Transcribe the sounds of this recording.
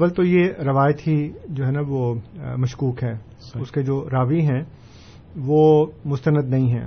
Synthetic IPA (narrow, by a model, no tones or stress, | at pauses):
ʋəlt̪ojeɾɐʋaːjət̪ɦid͡ʒoːɦɛnaʋomɐʃkuːkɦɛː | ʊsked͡ʒoːɾaːʋiɦɛ̃ː | ʋoːmʊst̪ənəd̪nɐɦĩɦɛ̰̃ː